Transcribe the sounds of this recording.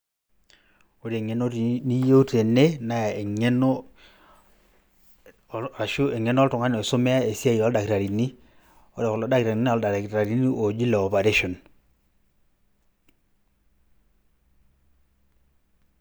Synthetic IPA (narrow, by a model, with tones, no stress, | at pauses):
o˦ɾe˨ŋe˦no˦ɾni˦jo˦u˦te˨ne˦na˦˨e˨ŋe˦no˦˨ | a˨ʃu˦e˨ŋe˦n˦ɔ˦tʊ˨ŋa˦no˨so˦mɛ˦a˦e˨si˦a˦iɔ˦lda˨ki˨ɾa˨ɾi˨ni˦ | o˦ɾe˨kɔ˨lo˨da˦kɾa˨i˨n˦ɔ˦lda˨ɾkɾa˨ɾi˨˦ni˦ʔo˨d͡ʒi˦le˨ɔ˨pa˨ɾe˦ʃɔ˨n